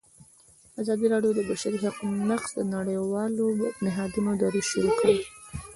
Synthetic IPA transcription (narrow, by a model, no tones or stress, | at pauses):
azɑd̪iɾɑɖjod̪əbaʃaɾiɦaqnaxsd̪ənaɽəjwɑlopnɪɦɑd̪unod̪ɑɾuʃiɾukəi